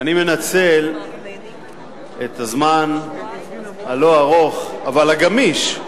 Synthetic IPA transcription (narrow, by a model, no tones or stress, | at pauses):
anime̞nat͡sel | et̪azman | alo̞aʁo̞χavalaɡamiʃ